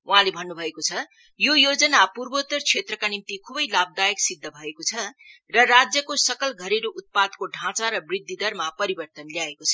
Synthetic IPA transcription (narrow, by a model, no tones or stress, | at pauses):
ʔuɦãlebʱʌnːubʱʌekot͡sʰʌ | jojod͡zʌnapurbot̪ːʌrt͡sʰet̪rʌkanimt̪ikʰubʌjlab̚d̪ajʌksid̪ʱːʌbʱʌekot͡sʰʌ | rʌrad͡zjʌkosʌkʌlɡʱʌɾeɾoʔut̪̚pad̪koɖʱãt͡saɾʌbrid̪ʱːid̪ʌrmapʌɾibʌrt̪ʌnljaekot͡sʰʌ